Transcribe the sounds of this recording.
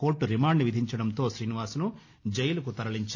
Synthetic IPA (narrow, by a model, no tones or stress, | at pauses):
oːɾʈːuɾimaːɳɖniʋid̪ʱiɲt͡ʃɐɽɐnt̪o̞ːʃɾiːniʋaːsnu | d͡ʒejulɐkut̪ɐɾɐliɲt͡ʃ